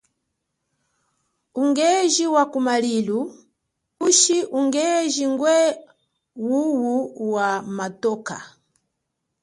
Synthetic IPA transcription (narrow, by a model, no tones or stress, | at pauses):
uŋɡɛʒiwakumalilu | uʃiʔuŋɡɛʒiŋɡwɛ | wuwuwamatɔka̰